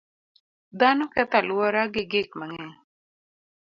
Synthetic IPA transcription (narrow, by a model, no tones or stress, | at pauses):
d̪anɔkɛt̪alwɔɾaɡɪɡɪk̚maŋɛ